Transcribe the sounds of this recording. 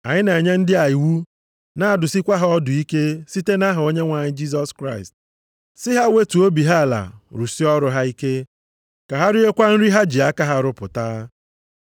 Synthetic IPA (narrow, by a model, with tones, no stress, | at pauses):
a˨ɲɪ˦ne˨ɲe˦n̩˦dɪ˦a˨i˨wu˦ | na˦a˨dʊ˨si˦kʷa˦ɦa˦ɔ˦dʊ˨i˦ke˦si˦te˦na˦ɦʊ˨o˦ɲe˦ŋʷa˨ɲɪ˦d͡ʒi˦s̬ɔ˦skɾa˦ɪ˨st̚ | sɪ˦ɦa˦we˦tu˨o˦bi˨ɦa˦a˨la̰˨ɾu˨si˦ɔ˦ɾʊ˨ɦa˦i˦ke˦ | ka˨ɦa˦ɾɪ˦e˦kʷa˦n̩˦ɾi˦ɦa˦d͡ʒi˨a˦ka˦ɦa˦ɾʊ˦pʊ̰˨ta˦